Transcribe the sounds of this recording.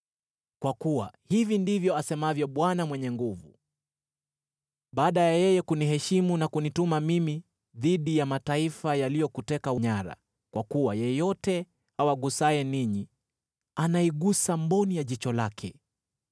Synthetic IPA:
kwakuwa̰hivindivjɔasɛmavjɔɓwanamwɛɲɛŋɡuvu | ɓaːɗajajɛjɛkuniɦɛʃimunakunitumamimi | ðiɗijamataifajalijɔkutɛkauɲaɾa̰ | kwakuwajɛjɔtɛ | hawaɠusaɛniɲi | anaiɠusambɔnijaʄit͡ʃɔlakʰɛ

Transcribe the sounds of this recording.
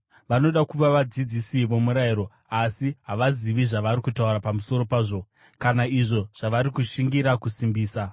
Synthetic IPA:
ʋano̞ɗakuʋaʋad͡zid͡zisiʋo̞muɾaiɾo̞ | asiɦaʋaziʋiʐaʋaɾikutauɾapamuso̞ɾo̞paːʐo̞ | kanaiʐo̞ʐ̥aʋaɾikuʃiŋɡiɾakusimbiːsa

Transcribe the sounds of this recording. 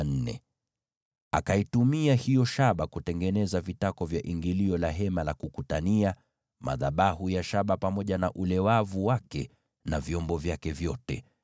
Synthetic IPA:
n̩nɛ̰ | akaitumiahijɔʃaɓakutɛŋɡɛnɛzavitakɔvjaʔiŋɡiliɔlaɦɛmalakukutania | ma̰ðaɓaɦujaʃaɓapamɔʄanaʔulɛwavuwakɛ | navjɔmbɔvjakɛvjɔtɛ

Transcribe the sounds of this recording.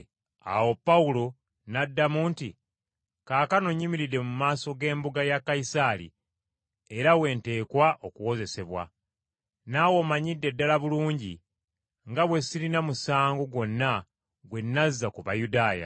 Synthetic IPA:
a̰wo̞pːaulo̞ | nadːamuːntḭ | kaːkano̞ɲːimiɾide̞mumaːso̞ɡe̞ːmbuɡajakːaisalḭ | e̞ɾawe̞ːnte̞ːkwaʔo̞kuwo̞ze̞se̞βwa̰ | nawo̞maɲidːe̞dːalaβuluːɲɟḭ | ŋɡaβwe̞siɾinamusaːŋɡo̞ɡwo̞nːa | ɡwe̞nːazːakuβa̰judaːja̰

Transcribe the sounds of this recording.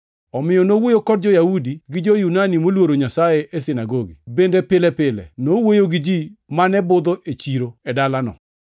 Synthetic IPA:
ɔmɪjɔnowojokɔdd͡ʒɔjaudiɡɪd͡ʒojunanimolwoɾoɲasajeʔesɪnaɡoɡḭbendepɪlɛpɪlɛ̰nowojoɡɪd͡ʒimanɛbʊd̪oʔet͡ʃiɾoɛdalanɔ̰

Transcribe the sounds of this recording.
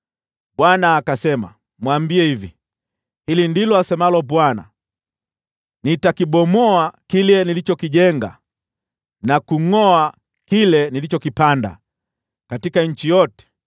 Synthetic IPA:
bwanaːkasɛma̰ | mwambiɛhivi | hilindilɔasɛmalɔbwana̰ | nitakiɓɔmɔakilɛnilit͡ʃɔkiʄɛŋɡa̰ | nakuŋɔa | kilɛnilit͡ʃɔkipanda̰ | katikaɲ̩t͡ʃijɔtɛ̥

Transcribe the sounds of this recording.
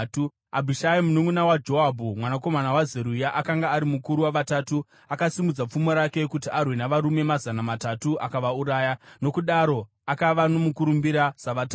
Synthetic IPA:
abʱiʃaimunoŋwunawad͡ʒo̞abʱumwanako̞manawazeɾujaʔakaŋɡaːɾimukuɾuwaʋataːtu | akasimud͡zap͡fumoɾake̞kutiʔarwenaʋaɾume̞mazanamatatuʔakaʋauɾaːjano̞kuɗaɾo̞ | akaʋano̞mukuɾumbiɾaz̥aʋata

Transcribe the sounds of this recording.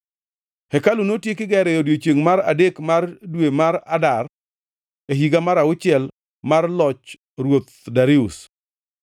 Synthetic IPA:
hɛkalunotjekɪɡɛɾɛjodjot͡ʃeŋmaɾadekmardwemaɾadar | eɦiɡamaɾaʊt͡ʃɪɛl | marlɔt͡ʃ | ɾwot̪daɾɪʊs

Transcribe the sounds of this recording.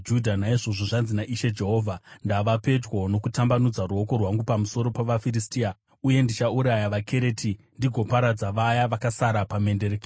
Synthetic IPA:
d͡ʒudʱanaiʐo̞ʐoʐanzinaʔiʃe̞d͡ʒe̞ɦo̞ːvʱandaʋape̞d͡ʒwo̞no̞kutambanud͡zaruo̞ko̞rwaŋɡupamuso̞ɾo̞paʋafiɾistiːa | uje̞ndit͡ʃauɾajaʋakʰe̞ɾe̞tʰi | ndiɡʱo̞paɾad͡zaʋajaʋakasaɾapame̞nde̞rek

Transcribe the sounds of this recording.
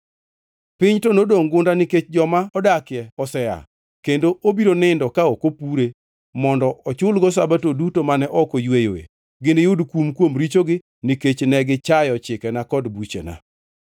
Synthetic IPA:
pɪɲtɔnodoŋɡʊndanɪket͡ʃd͡ʒɔmaɔdakɪjɛɔsɛja̰ | kendoʔobiɾonɪndɔkaokopuɾe | mɔndɔʔɔt͡ʃʊlɡɔs̬abatodutomanɛʔɔkojwejo̰jḛ | ɡɪnɪjʊdkumkwomɾit͡ʃoɡɪ | niket͡ʃnɛɡɪt͡ʃajɔt͡ʃɪkɛnakɔdbut͡ʃḛna̰

